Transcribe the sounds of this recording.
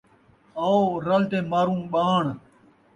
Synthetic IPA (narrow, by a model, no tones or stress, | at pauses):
aːoːɾəlt̪ẽːmaːɾũːɓaːɳ